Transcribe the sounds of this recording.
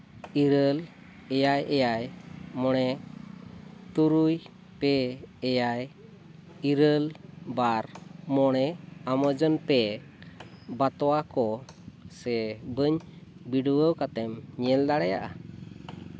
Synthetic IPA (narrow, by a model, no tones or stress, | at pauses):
iɾəl | ɛjajɛjajmɔɽ̃ɛ | t̪uɾuj | pɛːjaj | iɾəlbaɾmɔɽ̃ɛaməd͡ʒɔnpɛ | bat̪ɔwakɔsɛbəɲbiɖəwəwkat̪ɛmɲɛld̪aɽɛja̰ʔa